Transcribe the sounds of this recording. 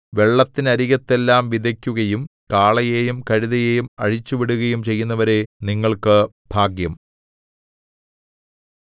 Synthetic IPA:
ʋe̞ɭːɐt̪ːinɐɾiɣɐt̪ːe̞lːaːmʋid̪ʱɐkʲːuɣɐjum | kaːɭɐjeːjumkɐɻiðɐjeːjumɐ̰ɻit͡ɕːuʋiɽuɣɐjumt͡ɕe̞jːunːɐʋɐɾe̞niŋːɐɭkɨ | b̥ʱaːɡjɐm

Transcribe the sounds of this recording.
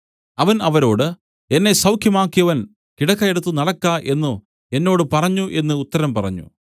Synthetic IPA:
ɐʋɐnɐʋɐɾo̞ːɽɨ | e̞nːe̞sɐwkʰjɐmaːkːijɐʋɐn | kiɽɐkːɐjeɽut̪ːunɐɽɐkːaʔe̞nːu | e̞nːoːɽɨpɐrɐɲːuʔe̞nːɨːt̪ːɐɾɐmpɐrɐ̰ɲːṵ

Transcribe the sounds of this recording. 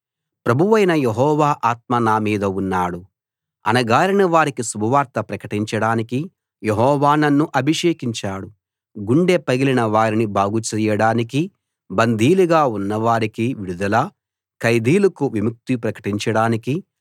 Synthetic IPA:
pɾɐbʱuʋɐjnɐjeɦɔːʋaːʔaːt̪̚mɐnaːmiːd̪ɐunːaːɽu | ɐ̰nɐɡaːɾiɳɐʋaːɾikisubʱɐʋaːɾt̪ɐpɾɐkɐʈiɲt͡ʃɐɽaːniki | jeɦɔːʋaːnɐnːuʔɐbʱiʂeːkiɲt͡ʃaːɽu | ɡuɳɖepɐɡilinɐʋaːɾinibaːɡut͡ʃɛjɐɽaːniki | bɐnd̪ʱiːluɡaːunːɐʋaːɾikiʋiɽud̪ɐlɐ | kɐjd̪iːlukuʋimuk̚t̪ipɾɐkɐ̥ʈiɲt͡ʃɐɽaːniki

